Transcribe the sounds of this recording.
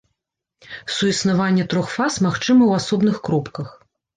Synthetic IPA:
suisnavanʲːɛt̪ɾɔxfasmaxt͡ʂɨmɐwasɔbnɨxkɾɔpkɐx

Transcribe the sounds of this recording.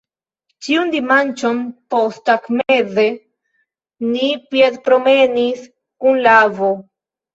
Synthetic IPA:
t͡ʃiund̪imant͡ʃonpostakmeze | nipiedpɾome̞nis | kunlavo

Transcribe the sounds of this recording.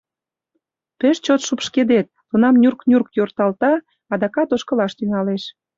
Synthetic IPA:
peʃt͡ɕot̪ʃupʃked̪et̪̚ːunɑmnʲurknʲurkjort̪ɑlt̪ɑ | ɑd̪ɑkɑt̪oʃkə̆lɑʃt̪yŋɑleʃ

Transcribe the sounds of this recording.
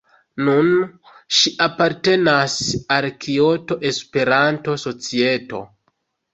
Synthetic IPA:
nun | ʃiʔapaɾte̞nasalkʰio̞to̞ʔe̞spe̞ɾanto̞so̞t͡sie̞to̞̰

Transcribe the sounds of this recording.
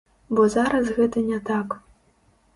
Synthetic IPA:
bɔzaɾɐsɣɛt̪ɐnʲɛt̪ak

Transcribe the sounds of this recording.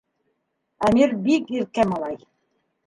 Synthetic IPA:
æmiɾbikiɾkæmɑlˠɑj

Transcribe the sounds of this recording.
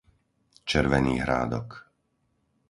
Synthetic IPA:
t͡ʃɛɾʋɛniːɦɾa̰ːd̪ɔ̰k

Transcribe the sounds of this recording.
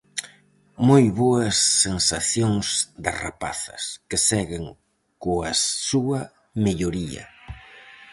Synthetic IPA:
mojβoɐsːensaθjoŋsd̪ɐra̰pa̰θɐ̰skɪsɛɣɪŋ | koɐssuɐ | meʎoɾiɐ̰

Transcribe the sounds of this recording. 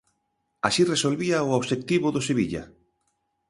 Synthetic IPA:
aʃiresolβiaooβʃek̚t̪iβʊðʊseβiʎa̰

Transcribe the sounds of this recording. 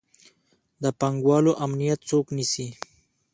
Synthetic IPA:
d̪əpaŋɡwɑːloʔamnijat̪̚t͡soknisi

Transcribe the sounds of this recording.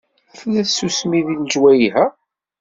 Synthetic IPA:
æθlæθsusmiðinʒwæjiɦæ

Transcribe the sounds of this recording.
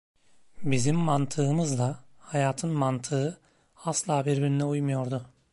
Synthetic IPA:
bizimːant̪ʰɯːmɯzd̪ˠahajaːt̪ʰɯnmant̪ʰɯɯ | aslˠaːbiɾbiɾinɛujmujo̞ɾd̪ʊ

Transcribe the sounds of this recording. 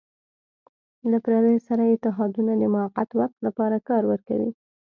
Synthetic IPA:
lapɾaɾəjsaɾaɪt̪ɪɦɑd̪unad̪əmʊaqat̪waq̚t̪lapɑɾakɑɾwəɾka̰wḭ

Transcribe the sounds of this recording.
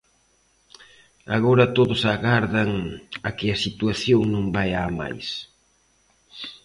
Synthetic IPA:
aɣoɾɐt̪oðʊsaɣaɾðɐŋɐkɪɐsit̪uaθjoŋnõŋbajama̰js

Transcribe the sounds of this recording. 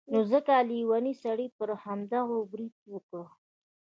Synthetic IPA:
nozəkaliwanisaɽipəɾhamd̪aɣobɾid̪̚wəkɽə

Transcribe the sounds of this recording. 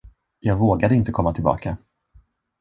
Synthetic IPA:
jɑːɡvoːɡad̪əɪnt̪əkʰɔmːat̪ʰɪlbɑ̰ːkʰa

